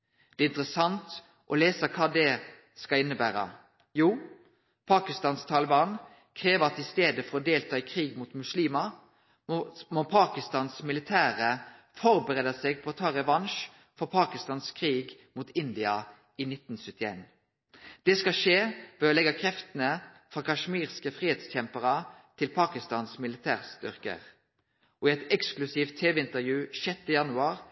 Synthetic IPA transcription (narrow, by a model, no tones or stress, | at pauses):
d̪̥ɛːɪnt̪ɾʁəsɑnt̪ | ʔɔleːsəkʰɑːd̪ɛ | skɑlɪnːəbæːɾə̰ | juː | pʰɑːkɪst̪ɑːnst̪ʰɑːlɪbɑːn | kʰʁeːʋəɑt̪ɪst̪eːd̪əfɔɾɔd̪eːlt̪ʰɑːɪkʰʁiːɡmuːt̪mʉsliːmɑ | mɔpʰɑːkɪst̪ɑːnsmɪlɪt̪ʰæːʁə | fɔɾbəɾeːd̪ɑsɛɡ̚pʰɔɔt̪ʰɑːʁɛʋɑnʃ | fɔʁpʰɑːkɪst̪ɑːnskʰʁiːɡmuːt̪ɪnd̪ɪɑ | iːnɪt̪ːnsœt̪ːɪḛːn | d̪̥ɛskɑʃeːʋɛːɔlɛɡɑkʰʁɛft̪ənəfʁɑːkʰɑʂmiːʁskəfʁiːheːt̪sc͡çɛmpəʁɑt̪ʰɪlpʰɑːkɪst̪ɑːnsmɪlɪt̪ʰæːʁst̪ʏ̰ʁkə̰ʁ | ʔɔɛt̪ɛksklʉsiːft̪ʰːeːʋɛɪnt̪əʁjʉːʃɛt̪ːəjɑnʉɑːʁ